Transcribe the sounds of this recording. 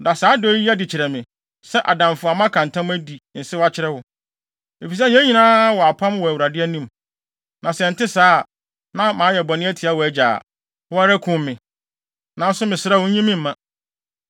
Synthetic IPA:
da˨saː˨˦dɔ˦i˦a˦dɪ˨t͡ɕʰɪ˨ɾɛ˨mɪ̃˨ | sɛ˦ʔa˨dã˨mfʊ˨a˨mã˦kʰã˨n˨tʰã˦m˦æ˦di˨n̩˨sɪ˦wa˦t͡ɕʰɪ˦ɾɛ˦wʊ˨ | e˨fi˨s̬ɛ˦jɛ̃˦ɲĩ˨nãː˦wɔ˨a˨pʰã˦mwɔ˨æ˨wu˨ɾa˨dɪ˦ɛ˦nĩ˦m | nã˨sɛ˨n̩˨tɪ˦saː˦˨ | nã˦mãː˨˦jɛ˨bɔ˨nɪ̃˦æ˦tʰi˨a˦wɔ˨æ˦d͡ʑa̰˨ | wɔ˦a˦ɾɛ˦kʰʊ̃˦mː˦ɪ̃˨ | nã˨n˦sʊ˦mɪ̃˨sɪ˨ɾɛ˦wʊ˦ɲĩ˦mĩ˦m̩ː˨ã˦˨

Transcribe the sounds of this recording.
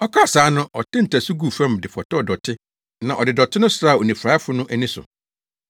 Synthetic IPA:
ɔ˦kʰa˦˨saː˨˦nʊ̃˦ʔɔ˨tʰɪ̃˦n̩˨tʰæ˨su˦ɡu˦˨fɛ̃˦mdɪ˨fɔ˨tɔ˦˨dɔ˨tʰɪ˦ | nã˨ʔɔ˨dɪ˨dɔ˨tʰɪ˦nʊ̃˦sɾa˦˨o˨nĩ˨fɾaː˨˦fʊ˨˦nʊ̃˦ʔæ˨nĩ˦sʊ̰˨

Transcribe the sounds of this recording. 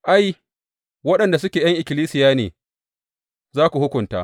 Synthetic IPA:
ʔa˦j | wɐ˦ɗɐ˨nda˨sʊ˦kʲeː˨jɐ˦ŋʔɪ˨kʲɪ˨liː˦sɪ˨jaː˦nḛː˨ | zaː˦kʷu˨hʊ˦kʷʊ˨nta̰ː˦

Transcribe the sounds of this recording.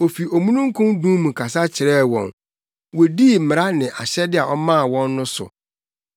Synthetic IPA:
o˨fi˨o˨mũ˦nũ˦ŋ̩˦kʰũ˦ndũ˦mũ˨kʰa˨s̬a˦t͡ɕʰɪ˨ɾɛː˦wɔ̰̃˨n | wo˨di˦˨m˨ɾa˦nɪ̃˨ʔa̰˨ɕɛ˦dɪ˦a˨ʔɔ˦mã˦˨wɔ̃˦nːʊ̃˦sʊ̰˨

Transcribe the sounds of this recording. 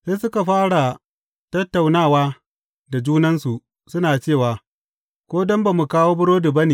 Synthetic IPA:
se˦sʊ˦ka˨ɸaː˦ɽa˨ | tɐ˦tːa˨wnaː˦˨waː˦ | da˨d͡ʒuː˦nɐ˦nsu˨ | sʊ˦naː˨t͡ʃeː˦˨waː˨ | kʷoː˦dɔ˦mba˨mu˨kaː˦woː˦bʊ˦ɽoː˦du˨bɐ˦niː˨

